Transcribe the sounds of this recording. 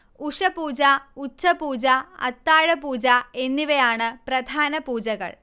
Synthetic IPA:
uʂɐpuːd͡ʑaːut͡ɕːɐpuːd͡ʑaːɐ̰t̪ːaːɻɐpuːd͡ʑaːenːiʋejaːɳɨpɾɐd̪ʱaːnɐpuːd͡ʑɐɣɐ̰ɭ

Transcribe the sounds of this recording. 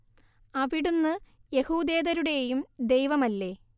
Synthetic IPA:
ɐʋiɽunːɨje̞huːd̪e̞ːðɐɾuɽe̞jumd̪e̞jʋɐmɐlːe̞

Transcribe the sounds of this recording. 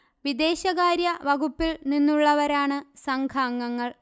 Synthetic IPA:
ʋid̪e̞ːɕɐɣaːɾjɐʋɐɡupːilninːuɭːɐʋɐɾaːɳɨsɐŋɡʰʱaːŋːɐŋːɐɭ

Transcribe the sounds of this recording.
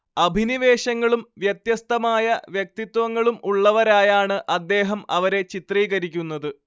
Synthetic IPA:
ɐbʱiniʋe̞ːɕɐŋːɐɭumʋjɐt̪jɐst̪ɐmaːjɐʋjɐk̚t̪it̪wɐŋːɐɭumuɭːɐʋɐɾaːjaːɳɨʔɐd̪ːe̞ːɦɐmɐʋɐɾe̞t͡ɕit̪riːɣɐɾikʲːunːɐðɨ

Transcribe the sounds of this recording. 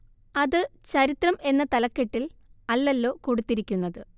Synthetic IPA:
ɐðɨt͡ɕɐɾit̪rɐme̞nːɐt̪ɐlɐkːeʈːilɐlːɐlːo̞ːkoɽut̪ːiɾikʲːunːɐðɨ

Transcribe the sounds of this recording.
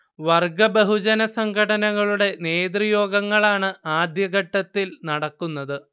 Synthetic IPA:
ʋɐrɡɐbeɦud͡ʑɐnɐsɐŋɡʰʱɐɽɐnɐɣɐɭuɽe̞ne̞ːd̪rijo̞ːɡɐŋːɐɭaːɳɨaːd̪jɐɡɐʈːɐt̪ːilnɐɽɐkːunːɐðɨ

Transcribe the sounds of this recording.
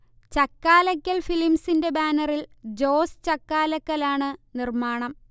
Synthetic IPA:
t͡ɕɐkːaːlɐkːɐlfilimsinde̞baːnɐrild͡ʑoːst͡ɕɐkːaːlɐkːɐlaːɳɨnirmaːɳɐm

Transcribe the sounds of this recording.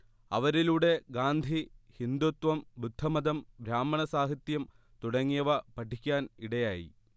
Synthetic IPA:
ɐ̰ʋɐɾiluːɽe̞ɡaːnd̪ʱihind̪ut̪ʋɐmbud̪ʱːɐmɐd̪ɐmbɾaːmːɐɳɐsaːɦɐt̪jɐm | t̪uɽɐŋːijɐʋɐpɐʈʰːikʲːaːniɽɐjaːjḭ

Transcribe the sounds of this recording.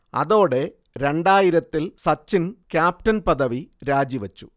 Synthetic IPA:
ɐ̰ðo̞ːɽe̞ | ɾe̞ɳɖaːjiɾɐt̪ːilsɐt͡ɕːinkʲjaːp̚ʈɐnpɐðɐʋiɾaːd͡ʑiʋɐt͡ɕːu̥̰

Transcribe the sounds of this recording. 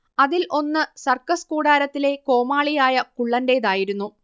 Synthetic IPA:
ɐðilʔo̞nːɨsɐrkɐskuːɽaːɾɐt̪ːile̞ko̞ːmaːɭijaːjɐkuɭːɐndeːðaːjiɾunːu

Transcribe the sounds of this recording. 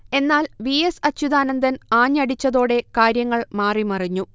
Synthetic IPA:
e̞nːaːlʋiesɐt͡ɕːuðaːnɐnd̪ɐnaːɲɐɽit͡ɕːɐðo̞ːɽe̞kaːɾjɐŋːɐɭmaːrimɐrɐɲːu

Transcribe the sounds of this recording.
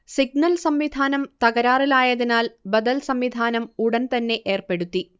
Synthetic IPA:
siɡ̚nɐlsɐmʋid̪ʱaːnɐmt̪ɐɣɐɾaːrilaːjɐðinaːlbɐd̪ɐlsɐmʋid̪ʱaːnɐmuɽɐnt̪ɐnːe̞ʔeːrpe̞ɽut̪ːi

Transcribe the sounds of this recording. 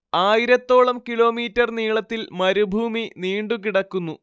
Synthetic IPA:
aːjiɾɐt̪ːo̞ːɭɐmkiɭo̞ːmiːtːɐrniːɭɐt̪ːilmɐɾubʱuːminiːɳɖukiɽɐkːunːu

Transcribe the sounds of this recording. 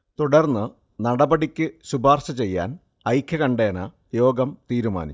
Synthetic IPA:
t̪uɽɐrnːɨ | nɐɽɐbɐɽikʲːɨɕubaːrɕɐt͡ɕe̞jːa̰ːn | ɐjkʰjɐkɐɳɖeːɐnɐ | jo̞ːɡɐmt̪iːɾuma̰ːnit͡ɕː

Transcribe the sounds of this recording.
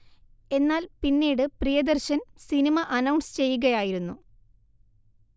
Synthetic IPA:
e̞nːaːlpinːiːɽɨprijɐd̪ɐrɕɐnsinimɐʔɐnɐwɳst͡ɕe̞jːuɣɐjaːjiɾunːu

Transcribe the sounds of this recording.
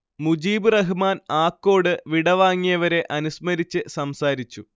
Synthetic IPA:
mud͡ʑiːbɨrɐɦumaːnaːkːo̞ːɽɨʋiɽɐʋaːŋːijɐʋɐɾe̞ʔɐnusmɐɾit͡ɕːɨsɐmsaːɾit͡ɕːu

